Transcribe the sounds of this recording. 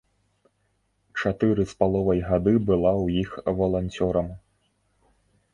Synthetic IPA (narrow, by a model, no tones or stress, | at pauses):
t͡ʂat̪ɨɾɨspalˠɔvɐjɣad̪ɨbɨlˠawjixvɐlˠanʲt͡sʲɔɾɐm